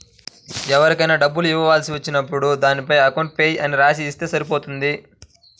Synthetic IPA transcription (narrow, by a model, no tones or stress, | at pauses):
ɛʋɐɾikɐjnɐːɖɐbːuluiʋːɐʋaːlsiʋɐt͡ʃːinɐpːuɽud̪aːnipɐjɐkɐwɳʈ̚pejʔɐniɾaːs̬iːst̪e̞ːsɐɾip̬o̞ːt̪und̪i